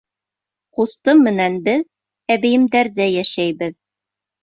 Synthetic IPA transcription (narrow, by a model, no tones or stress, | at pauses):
qust̪ɤmːɘ̆nænbɘð | æβɘ̆jɘ̆md̪æɾðæjæʃæjbɘð